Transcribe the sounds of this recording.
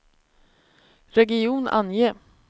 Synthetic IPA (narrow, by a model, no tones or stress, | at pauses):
ɾɛɡɪuːna̰njeː